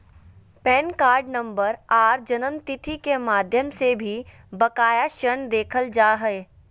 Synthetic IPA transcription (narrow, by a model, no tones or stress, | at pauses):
pɛːnkaːɾɖnɐ̃mbəɾaːɾd͡ʒɐnəmt̪ɪt̪ʰikemaːd̪ʱjəmsebʱi | bɐkaːjaʃəɾəɳd̪eːkʰəld͡ʒaːɦɛe